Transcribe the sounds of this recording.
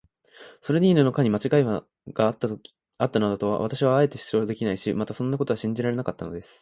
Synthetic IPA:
so̞ɾe̞ɲʲiːnɯnokaɲ̟imat͡ɕiɡai | ɡ̥at̪ː | at̪ːanad̪ot̪o̞β̞a̰βat̪aɕiβaːe̞t̪ːe̞ɕi̥sod̪e̞kʲinaiɕimat̪asõ̞nːako̞t̪o̞aɕĩɲ̟d͡ʑiɾaɾe̞nakat̪ːano̞d̪e̞sɨ̥

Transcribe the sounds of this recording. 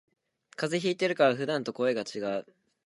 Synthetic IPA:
kazeçiːt̪e̞ɾɯ̟kaβaɸɯ̟d̪ãnt̪o̞ko̞e̞ɡat͡ɕiɡaɯ

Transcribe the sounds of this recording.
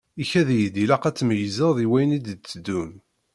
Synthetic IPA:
içæðjd̪ilɑqæt͡sːməjəzəʁðiwæjnid̪d̪t͡sːəd̪ːun

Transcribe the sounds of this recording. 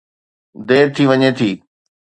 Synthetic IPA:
d̪eːɾt̪ʰiʋɐɲet̪ʰiː

